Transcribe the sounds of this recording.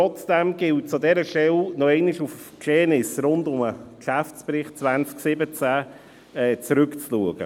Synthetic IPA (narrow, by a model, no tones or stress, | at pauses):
ɔt͡sd̥ɛmɡ̥ɪlt̚t͡sʊdɛɾəʃɛlnɔɛɪnɪʃufkʃeːnɪsrʊndʊməkʃæft͡sprɪχt̚t͡svant͡sksɪbət͡sæ | ɛːt͡sɾʏkt͡sluəɡ̥ə̰